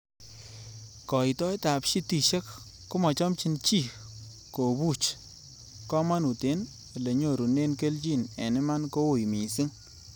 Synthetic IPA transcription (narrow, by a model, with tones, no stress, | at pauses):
kɔ˨i˨tɔ˦jta˨pʃi˦ti˨ʃe˦kː | ʊ˦mɔ˨t͡ʃɔ˦mt͡ʃi˦nt͡ʃi˦˨ | ko˨bu˦˨t͡ʃ | kɔ˦ma˦nu˨te˨˦n˨ | le˨ɲo˦˨ɾu˨ne˦nke˦lt͡ʃi˦˨nɛ˨nɪ˦ma˦nko˦ʊ˨jmi˨si˦ŋ